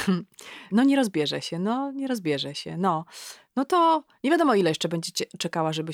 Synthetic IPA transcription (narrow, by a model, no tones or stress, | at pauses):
nɔɲɛɾɔzbʲjɛʐɛ̰ɕɛnɔɲɛɾɔzbʲjɛʐɛɕɛ̰nɔnɔt̪ɔɲevʲjad̪ɔmɔilɛjɛʂt͡ʂɛbɛɲd͡ʑɛt͡ɕɛt͡ʂɛkawaʐɛbɘ